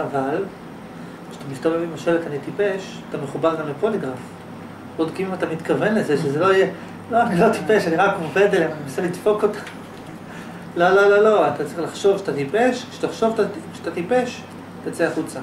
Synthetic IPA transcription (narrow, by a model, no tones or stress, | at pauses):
aval | kʃḁt̪amist̪avevemaʃelet̪anitipe̞ʃ | at̪ameχubaʁɡamlepo̞liɡʁaf | od̪kiimat̪amit̪kave̞nle̞zeʃezelo̞ije | loanilo̞t̪ipe̞ʃaniʁakmove̞d̪lemanimisalid̪fo̞ko̞t̪ḁ | lolo̞lolo̞at̪at͡saʁiχlaχʃo̞vʃet̪at̪ipe̞ʃkʃe̥taχʃo̞vt̪aʃe̥tat̪ipe̞ʃ | t̪at͡seaχut͡sa